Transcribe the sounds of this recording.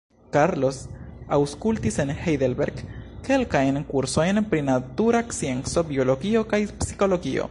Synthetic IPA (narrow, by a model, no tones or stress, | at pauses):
kaɾlo̞sawskultise̞nhejdelbe̞ɾɡke̞lkajnkuɾso̞jnpɾinatuɾakt͡sie̞nt͡so̞bio̞lo̞ɡio̞kajpsi̥ko̞lo̞ɡio̰